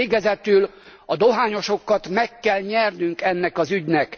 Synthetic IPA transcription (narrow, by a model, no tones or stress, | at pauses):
eːɡɛzɛt̪yl | ɒd̪oɦaːɲo̞ʃo̞kːɒt̪mɛkːɛlɲɛrnyŋkɛnːɛkɒzyɟnɛk